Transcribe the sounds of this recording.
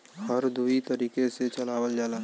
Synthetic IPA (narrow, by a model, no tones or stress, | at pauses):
həɾd̪uit̪əɾiːkeset͡ʃɐlaːwəld͡ʒaːlaː